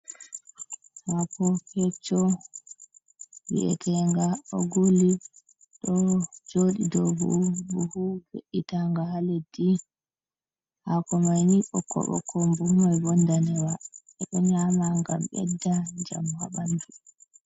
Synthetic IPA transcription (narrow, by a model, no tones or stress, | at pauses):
hapɔkɛt͡ʃːɔ | wḭʔɛ̰tʰɛŋɡaɔɡuli | ɗɔd͡ʒoɗidɔbṵbuhuweʔitaŋɡaɦaledi | hakɔmajniʔɔkʰːɔ̰ɓɔ̰kʰːɔmbumɔɛbɔndanɛwa | ɛɗɔɲamaŋɡamɓɛ̰dːad͡ʒa̰mhaɓandu